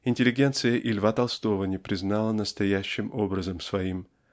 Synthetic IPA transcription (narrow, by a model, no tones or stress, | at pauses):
ɪnʲtʲɪlʲːɪɡʲe̞nt̪sɨjəʔɪlʲvat̪ɐlˠst̪o̞vənʲɪpɾʲɪznɑlˠənəst̪ɐjæɕːɪmo̞bɾəzəmsvɐim